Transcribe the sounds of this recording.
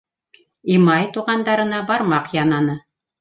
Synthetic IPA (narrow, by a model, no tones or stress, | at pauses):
imɑjt̪uʁɑnd̪ɑɾɤ̆nɑbɑɾmɑqjɑnɑnɤ